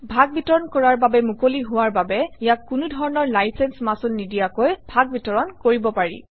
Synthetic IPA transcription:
bʱaɡ̚bitɔɹɔnkɔɹaɹbabɛmukoliɦʊwaɹbabɛijakːunudʱɔɹɔnɔɹlajsɛnsmasunːidijakojb̥ʱaɡ̚bitɔɹɔnkoɹibɔpaɹḭ

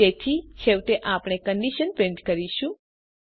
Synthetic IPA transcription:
et̪ʰit͡ʃʰeʋt̪eʔapɳ̃ekəɳɖiʃənpẽɳʈkəɾiʃũ

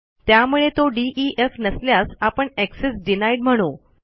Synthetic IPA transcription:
t̪jamuɭet̪oɖiʔiʔefnəsljasapəɳeksesɖinaiʈm̤əɽ̃u

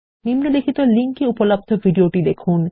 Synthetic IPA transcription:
nimnolekʰit̪oliŋkiupolab̚d̪ʱovʱiɖioʈid̪ekʰun

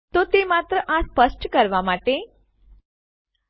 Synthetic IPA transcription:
t̪ot̪emat̪ɾəʔaspəsʈkəɾʋamaʈe

